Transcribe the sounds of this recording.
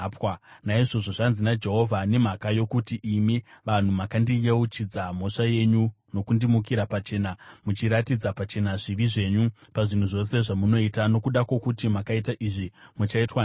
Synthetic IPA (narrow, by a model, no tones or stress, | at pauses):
pwanaiʐo̞ʐo̞ʐanzinad͡ʒe̞ɦo̞vʱane̞m̤akajo̞kutiʔːmiʋan̤umakandijeut͡ʃid͡zam̤o̞ʂaje̞ɲu | no̞kundimukiɾapat͡ʃe̞ːnamut͡ʃiɾatid͡zapat͡ʃe̞naʐiʋiʐe̞ːɲupaʐin̤uʐo̞se̞ʐamuno̞itano̞kuɗakwo̞kutimakaitaʔiʐimut͡ʃaitwa